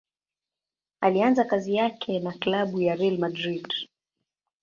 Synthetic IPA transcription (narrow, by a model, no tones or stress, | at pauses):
alianzakazijakʰɛnaklaɓujaɾɛlmadɾid